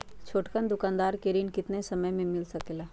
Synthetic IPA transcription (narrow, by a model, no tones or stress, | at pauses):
t͡ʃʰoːʈkənd̪ʊkãːnd̪aːɾkeɾiːnkɪt̪nesɐməjmẽmɪlsɐkelaː